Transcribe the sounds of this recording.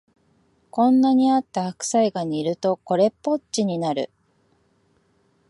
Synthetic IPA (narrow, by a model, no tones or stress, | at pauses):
kõ̞nːaɲ̟iat̪ːahakɯ̥saiɡaɲ̟iːɾɯ̟t̪o̞ko̞ɾe̞pːo̞t͡ɕt͡ɕiɲ̟inaɾɯ̟̰